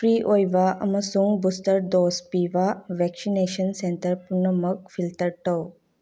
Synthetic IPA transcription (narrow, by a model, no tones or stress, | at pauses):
fɾiːʔoːjʋaːʔɐmɐsuŋɡbust̪əɾd̪oːspiːʋaːʋɛksineːʃənsentəɾpʊnːəməɡfilʈəɾʈow